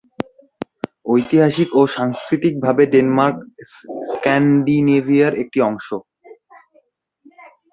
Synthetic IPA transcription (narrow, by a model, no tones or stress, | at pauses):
ojt̪iɦaʃikoʃaŋskɾit̪ik̚bʱabeɖenmaɾkskɛnɖinebʱiaɾek̚ʈiɔŋʃo